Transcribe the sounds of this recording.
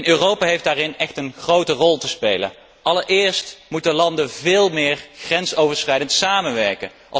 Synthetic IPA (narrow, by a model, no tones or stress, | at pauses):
nøːrowpaːɦejfdaːrɪnɛxtənχrowtərɔlˠtəspejlə̰n | ʔɑləɹɪːɹstmutəlɑndəvɪːlˠmɪːɹxrɛnsowvəɹsχrɛjdəntsaːmənʋɛɹkən | ʔɑ